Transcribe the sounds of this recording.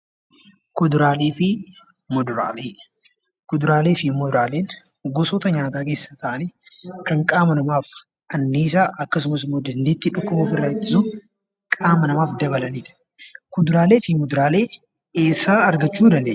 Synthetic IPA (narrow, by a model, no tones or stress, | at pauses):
kʊd̪ʊɾaːleːfɪ | mɔd̪ʊɾa̰ːleː | kʊd̪ʊɾaːle̞ːfɪmʊd̪ʊɾaːle̞ːn | ɡɔsɔt̪ɐɲaːt̪aːke̞ːsːɐt̪ɐʔɐni | kɐŋkʼaːmɐnɐmaːf | ɐnːiːs̬aːʔɐkːɐsʊmɐsɪmːoːd̪ɐnd̪eːt̪ːɪᶑʊkːʊboːfɪrːaːɪt̪ːɪ̥sʊ | kʼaːmɐnɐmaːfd̪ɐβɐlɐniːᶑɐ̥ | kʊd̪ʊɾaːle̞ːfɪmʊd̪ʊɾaːle̞ː | eːsaːɐɾɡɐt͡ʃːuːd̪ɐnd̪eː